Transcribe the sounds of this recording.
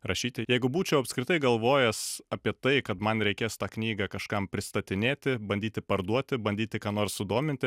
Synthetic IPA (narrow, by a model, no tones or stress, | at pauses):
ɾɐʃʲiːt̪ʲɪjɛɪɡʊbuːt͡ʃʲɛʊɐpskɾʲɪt̪ɐɪɡɐlˠʋoːjɛsɐpʲiɛt̪ɐɪkɐt̪mɐnɾʲɛɪkʲeːst̪ɑːknʲiːɡɐkɐʃkɐmpʲɾʲɪst̪ɐt̪ʲɪnʲeːt̪ʲɪbɐnʲdʲiːt̪ʲɪpɐɾd̪uɔt̪ʲɪbɐnʲdʲiːt̪ʲɪkɑːnoːrssʊd̪oːmʲɪnt̪ʲɪ